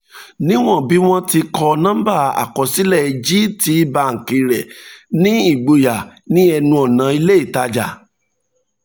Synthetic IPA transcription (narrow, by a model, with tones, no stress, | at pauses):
nĩ˦w̃ɔ̃˦˨bi˨˦w̃ɔ̃˦ti˧kʰɔ˧nã˦ba˦˨a̰˨kɔ˨si˦lɛ˦˨i˨d͡ʒi˦ti˧˦ba˧ŋ̩˨ki˨ɾɛ˨nĩ˦i˦˨ɡ͡bo˨˧ja˨nĩ˦ɛ˧nũ˧ɔ˨nã˨˦i˧le˦i˦˨ta˧d͡ʒa̰˨